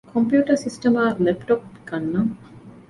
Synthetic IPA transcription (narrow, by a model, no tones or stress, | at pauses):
kʰompjuːʈɐsisʈɐmaːlepʈok̚ikɐnːɐŋ